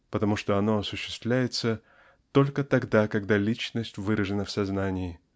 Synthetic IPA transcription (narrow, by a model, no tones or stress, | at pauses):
pət̪ɐmuʂt̪o̞ɐno̞ɐsʊɕːɪ̥st̪vlʲæjɪt̪sə | t̪o̞lʲkət̪ɐɡd̪akɐɡd̪alʲit͡ɕnəsʲtʲvɨɾəʐɨnəfsɐznanʲɪɪ